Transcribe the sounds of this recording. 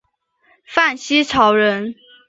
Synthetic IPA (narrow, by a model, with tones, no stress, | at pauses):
fa˥˩nɕi˥t͡sʰɑ˧˥ʊɻə˧˥n